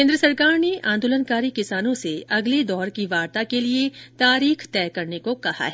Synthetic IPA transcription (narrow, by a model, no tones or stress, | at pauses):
ẽːnd̪ɾəsɐɾkaːɾneʔãːnd̪oːlənkaːɾikɪsaːnõseɐɡled̪ɔːɾkiʋaːɾt̪akeliet̪aːɾiːxʰt̪ɛːkɐɾnekokɐha̰ɦɛ